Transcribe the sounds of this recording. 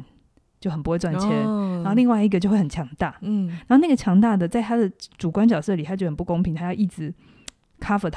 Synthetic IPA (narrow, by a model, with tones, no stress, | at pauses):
n | t͡ɕjo˥˩ʊxə˨˩npu˧˥xwe˥˧wa˨˩n˩t͡ɕjɛ˧˦nnaa˨˧˥xli˥˧ŋwa˥˧ɪi˧ɡə˨t͡ɕjo˥˧we˥˩xə˨˩t͡ɕʰjɑ˧˥ŋt̪a˥˩na˨˧˦xo˥˧na˥˩ɡə˩t͡ɕʰjɑ˧˥ŋt̪a˥˩d̪ə˩t͡sa˥˩ɪt̪ʰa˥d̪ə˨ʈ͡ʂu˨˩kwa˥nt͡ɕjɑ˨˩ʊsɤ˥˩li˨˩t̪ʰa˥t͡ɕjxə˨˩pu˥˩ko˥ŋpʰi˧ŋt̪ʰa˥jɑ˥˧ʊi˥˩ʈ͡ʂɻ̩˧˩ | kʰa˥fə˨˩t̪ʰ